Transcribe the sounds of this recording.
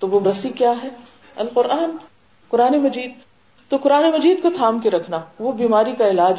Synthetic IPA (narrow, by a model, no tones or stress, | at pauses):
t̪oʋoɾɐsikjaːɦɛ | ɐlqʊɾʔaːn | qʊɾaːnemɐd͡ʒiːd̪̚ | t̪oqʊɾaːnemɐd͡ʒiːd̪̚kot̪ʰaːmkeɾɐkʰnaʋobiːmaːɾikaɪlaːd͡ʒ